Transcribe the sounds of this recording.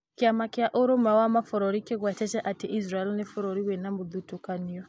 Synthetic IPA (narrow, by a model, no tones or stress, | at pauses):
kiamakiaʔuɾɔmawamafɔɾɔɾikɛkwat͡ʃɛt͡ʃɛʔatiʔisɾaɛlnɛfɔɾɔɾiwɛnamuðutɔkaniɔ